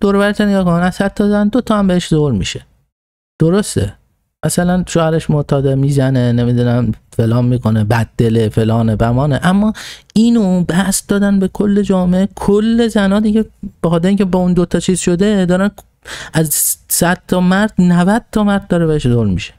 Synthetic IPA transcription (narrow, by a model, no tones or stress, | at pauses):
d̪̥oɾoβæɾet̪ʰoneɡɒːkonænæzsæd̪̚t̪ʰːɒzænd̪ot̪ʰɒːæmbeheʃzolmḭːʃe̥ | d̪̥oɾost̪ḛ | mʔæsælænʃoːhæɾeʃmoʔt̪ʰɒːd̪emiːzæne̞ne̞mid̪unæmfe̞lɒːnmiːkʰo̞nebæd̪̚ːelefe̞lɒːnebæmɒːneʔæmːɒːiːnobæhsd̪ɒːd̪ænbe̞kʰolːe̞d͡ʒɒːmeʔekʰolːe̞zænɒːd̪iɟʲeb̥exɒːt̪eɾeiːŋkʲcʰebɒːund̪ot̪ʰɒːt͡ʃʰiːzʃo̞d̪e̞d̪ɒːɾæn | ʔæzsæd̪̥̚t̪ʰɒːmæɾd̪̥nævæd̪̥̚t̪ʰɒmæɾd̪̚d̪ɒːɾebeheʃzolmiʃe̥